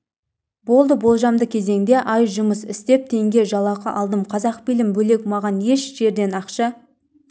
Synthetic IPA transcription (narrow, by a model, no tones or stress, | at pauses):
bo̞lˠd̪əbo̞lˠʒɑmd̪əkʲʰe̞ze̞ŋd̪e̞ʔɑjʒʊməsɪst̪e̞p̚t̪ʰe̞ŋɡʲe̞ʒɑlˠɑqɑʔɑlˠd̪əmqʰɑzɑqbilɪmbɵle̞kmɑʁɑnje̞ʃʒ̥e̞ɾd̪e̞nɑqʃɑ